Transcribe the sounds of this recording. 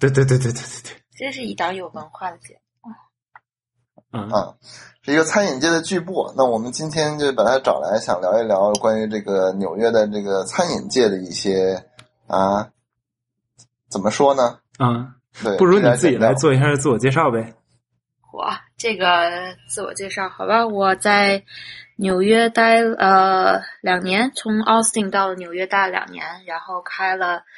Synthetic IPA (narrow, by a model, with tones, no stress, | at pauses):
t̪we˥˧ɪt̪we˥˧t̪we˥˧we˥˧ɪt̪we˥˧t̪wt͡ɕʂɻ̩˥˩i˨˩t̪ɑ˥ŋjo˨˩ʊwə˥˧nxwa˥˩d̪ə˩t͡ɕjɛ˨˩n˧˩˥ | ʂɻ̩˥˩i˧˥ɡə˧t͡sʰa˥ni˨˩nt͡ɕjɛ˥˩d̪ə˩t͡ɕy˥˧pwɔ˥˩na˥˩wɔ˨˩mə˦nt͡ɕi˥nt̪ʰjɛ˥nt͡ɕj̩˥˧˥pə˨˩nt̪ʰa˥ɪʈ͡ʂɑ̰˨˩ŋla̰˧˥ɪɕjɑ̰˨˩ŋljɑ˧˥ʊi˥˩ljɑ˧˥ʊ˧˩kwa˥ny˧˥ʈ͡ʂɤ˥˩ɡə˩njo˨˩ʊɥɛ˥d̪ə˨˩ʈ͡ʂɤ˥˩ɡə˩t͡sʰa˥nḭ˨˩nt͡ɕjɛ˥˩d̪ə˩i˥˩ɕjɛ˥ | a˧˩ | t͡sə˨˩nmə˦ʂwɔ˥nə˨ | ə˥˩ | t̪we˥˩ɪpu˥˩ɻu˥ni˧˥˩t͡sɹ̩˥˩t͡ɕi˨˩la˧˥ɪt͡swɔ˥˧i˧˥ɕ̬jʂ̩˥˧t͡sɹ̩˥˩wɔ˨˩t͡ɕjɛ˥˧ʂɑ˥˩ʊbe˨˩ | wɔ̰˥˩ʈ͡ʂɤ˥˩ɡə˩t͡sɹ̩˥˩wɔ̰˨˩t͡ɕjɛ˥˧ʂɑ˥˩ʊxɑ˨˩ʊba˧wɔ˨˩t͡sa˥˩ɪnjo˨˩ʊɥɛ˥t̪a˥˩ɪə˧ljɑ˨˩ŋnjɛ˧˥nt͡sʰʊ˧˥ŋɑ˥ʊst̪i˥˧ŋt̪ɑ˥˩lə˩njo˨˩ʊɥɛ˥t̪a˥˩ljɑ̰˨˩ŋnjɛ̰˧˥nɻa˧˥nxo˥˩ʊkʰa˥ɪlə˨